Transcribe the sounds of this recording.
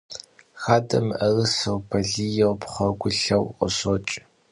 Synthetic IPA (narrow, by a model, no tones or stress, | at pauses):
xaːdɐmɨʔɐrɨsɐwbʰɐɮiːjɛwpχʷɐɡʷʊɬɐwqɔ̰sot͡ʃʼ